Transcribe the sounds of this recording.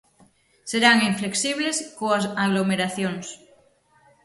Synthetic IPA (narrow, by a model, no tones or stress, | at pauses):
seɾaŋiɱfleksiβleskoasaɣlomeɾaθjoŋs